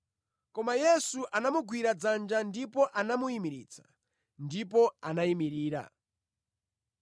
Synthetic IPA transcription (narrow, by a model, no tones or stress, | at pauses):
kɔmajɛsuʔanamuɡwiɾad͡zand͡ʒandipɔʔanamuimiɾḭːt͡sḁ̰ | ndipɔanaimiɾiːɾa̰